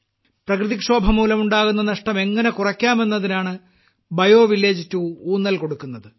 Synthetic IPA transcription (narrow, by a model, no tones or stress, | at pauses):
prɐkrɨðikʂo̞ːbʱɐmuːlɐmuɳɖaːɣunːɐnɐʂʈɐme̞ŋːɐne̞kurɐkʲːaːme̞nːɐðinaːɳɨ | bɐjo̞ːʋilːe̞ːd͡ʑitːuuːnːɐlko̞ɽukːunːɐðɨ